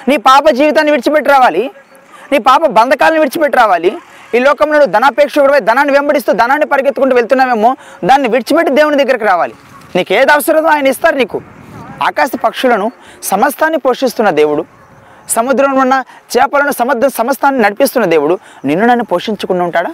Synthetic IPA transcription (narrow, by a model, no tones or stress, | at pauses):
niːpaːpɐd͡ʒiːʋit̪̬aːnːiʋiɾt͡ʃipeʈːiɾaːʋaːli | niːpaːpɐbɐnd̪ɐkaːlɐniʋiɾt͡ʃipeʈːiɾaːʋaːli | iːlɔːkɐmloːnud̪ʱɐnaːpeːkʂɐɡɐɽɐʋɐjd̪ʱɐnaːnːiʋembɐɽis̬t̪uːd̪ɐnaːnːipɐɾɐɡet̪ːukuɳʈuːʋeɭt̪unːaːmeːmːo̞ː | d̪aːnːiʋiɾt͡ʃipeʈːid̪eːwunud̪ɐɡːɐɾik̬iɾaːʋaːli | niːkeːd̪ɐʋɐsɐɾɐd̪uaːjɐnɐist̪aːɾuniːkua̰ːkaːʃɐpɐkʂulɐnusɐmɐst̪ʰaːnːipo̞ːʂist̪unːɐd̪e̞ːwuɽu | sɐmud̪ɾɐmnunːɐt͡ʃɛːpɐlɐnusɐmɐd̪ʱːɐmsɐmɐst̪ʰaːnːinɐɽipist̪unːɐd̪e̞ːwuɽuninːunɐnːipo̞ːʂiɲt͡ʃukunːɐuɳʈaːɽaː